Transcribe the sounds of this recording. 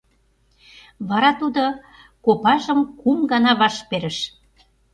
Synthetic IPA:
βɑɾɑt̪ud̪o | kopɑʒə̆mkumɡɑnɑβɑʃpeɾə̆ʃ

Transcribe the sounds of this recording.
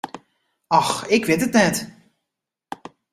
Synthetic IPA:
ɑxɪkʋɪtətnɛt

